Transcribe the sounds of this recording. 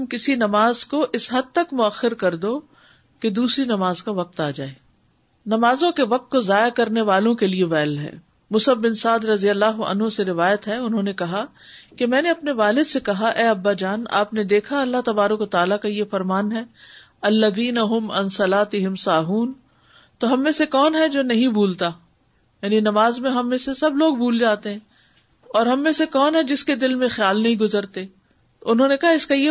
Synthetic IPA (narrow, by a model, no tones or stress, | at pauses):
ɐmkɪsinɐmaːzkoʔɪsɦɐd̪̚t̪ɐkmʊɐxːɪɾkɐɾd̪oː | ked̪uːsɾinɐmaːzkaʋɐq̚t̪aːd͡ʒa̰ːeː | nɐmaːzõkeʋɐq̚t̪̚kozaːjakɐɾneʋaːlõkelieʋɛːlɦɛ̰ː | mʊsəbbɪnsaːd̪ɾɐzijəlːaːɦʊɐ̰nɦõseɾɪʋaːjət̪ɦɛʊnɦõnekɐɦa | kemɛ̃ːneɐpneʋaːlɪd̪sekɐɦaʔɛːɐbːad͡ʒaːna̰ːpned̪eːkʰaɐlːaɦt̪ɐbaːɾəkʋɐt̪aːlakajefɐɾmaːnɦɛː | ɐlːɐðiːnɐɦʊmɐ̰̃nsɐlaːt̪ɪɦɪmsaːɦuːn | t̪oɦɐmːẽsekɔːnɦɛd͡ʒoːnɐɦĩbʱuːlt̪a | jaːninɐmaːzmẽɦɐmːẽsesɐbloːɡ̚bʱuːld͡ʒaːt̪eɦɛ̃ː | ɔːɾɦɐmːẽsekɔːnɦɛd͡ʒɪsked̪ɪlmẽxjaːlnɐɦĩɡʊzəɾt̪e | ʊnɦõːnekɐɦaɪskaje